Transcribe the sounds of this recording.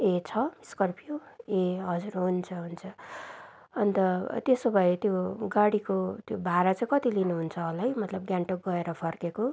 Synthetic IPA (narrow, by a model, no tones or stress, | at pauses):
et͡sʰʌmiskʌrpʰjoeɦʌd͡zuɾɦunt͡sʰʌɦunt͡sʰʌ | ʌnt̪ʌt̪esobʱʌet̪joɡaɽikot̪jobʱaɾat͡saĩkʌt̪ilinuɦunt͡sʰʌolajmʌt̪lʌb̚ɡjaɳʈoɡʌeɾʌpʰʌrkeko